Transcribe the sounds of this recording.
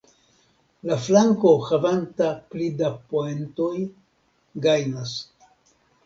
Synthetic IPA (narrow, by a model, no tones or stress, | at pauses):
laflaŋko̞xavantaplidapoento̞j | ɡajnas